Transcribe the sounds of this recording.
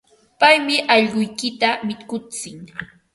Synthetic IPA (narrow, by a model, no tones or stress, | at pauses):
pajmɪʔɑʎɢʊjkɪt̪amɪkʊt͡sɪŋ